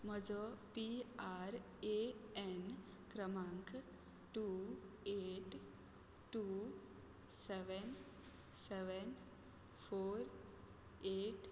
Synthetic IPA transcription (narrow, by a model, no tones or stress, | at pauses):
məd͡ʒopiaɾ | een | kɾəmãŋk | ʈu | eʈ | ʈːu | seʋen | seʋən | pʰoːɾ | eːʈ